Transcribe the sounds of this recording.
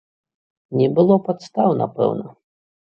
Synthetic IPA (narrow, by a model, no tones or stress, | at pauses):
nʲɛbɨlˠɔpat̪st̪awna̰pɛ̰wnɐ